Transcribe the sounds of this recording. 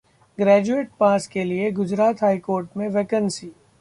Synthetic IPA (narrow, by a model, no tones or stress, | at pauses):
ɡɾɛːd͡ʒueːʈ̚paːskelieɡʊd͡ʒɾaːt̪ɦaːikoːɾʈmẽʋeːkənsiː